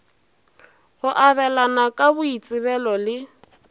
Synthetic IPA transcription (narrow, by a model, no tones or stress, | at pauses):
ɣʊʔaβɛlanakʼabʊit͡sʼɪβɛlɔlɪ